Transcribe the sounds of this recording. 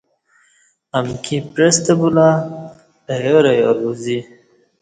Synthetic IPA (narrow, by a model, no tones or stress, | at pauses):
amkʰipɾest̪abula | ʈajoɾajoɾuzi